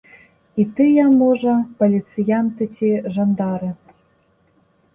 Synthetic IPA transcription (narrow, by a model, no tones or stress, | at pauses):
it̪ɨjɑmoʒɑpolʲit̪t͡sɨjɑnt̪ɘ̆tʲeʒɑnd̪ɑɾɤ̆